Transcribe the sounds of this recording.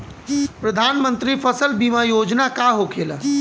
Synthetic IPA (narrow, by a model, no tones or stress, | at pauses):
pɾɐd̪ʱaːnmə̃nt̪ɾifʰəsəlbimajoːd͡ʒnakaɦokʰeːla